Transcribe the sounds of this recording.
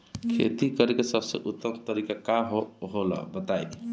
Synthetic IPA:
kʰḛt̪ikəɾekesəbsə̰̃ʔut̪ːəmt̪əɾikakaɦoɦola̰bət̪aj̪

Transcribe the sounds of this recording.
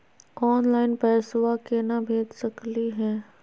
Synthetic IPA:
ɔːnlaːɪnpɛːsʊwakenabʱeːd͡ʒsɐkliɦɛ̃ː

